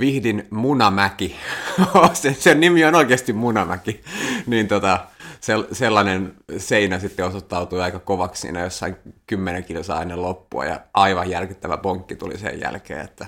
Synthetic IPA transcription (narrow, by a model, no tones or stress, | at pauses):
ʋihdinmunɑmækiosesennimionoikeɑst̪immunɑmækiniːnt̪ot̪ɑselselːɑnenseinæsit̪ːeosot̪ːɑut̪uiɑikɑkoʋɑkssḭːnæjosːɑiŋkymːeneŋkilsɑ̰ːenːelopːuɑ̰jɑ̰ʔɑiʋɑjjærkit̪ːæʋæ̰poŋkːit̪ṵlḭsḛjjæ̰lkḛːḛt̪ːæ